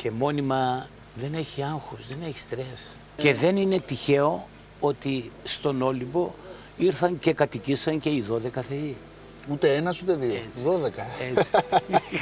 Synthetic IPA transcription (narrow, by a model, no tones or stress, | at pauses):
ce̞mo̞nimɐ | ðe̞ne̞çiɐŋxuzðe̞ne̞çi̥st̪ɾe̞s | ce̞ðe̞nine̞t̪içe̞o̞ | o̞t̪ist̪o̞no̞libo̞ | iɾθɐnce̞kɐt̪icisɐnce̞iðo̞ðe̞kɐθe̞i | ut̪e̞enɐsut̪e̞ðioet͡siðoðekɐei̥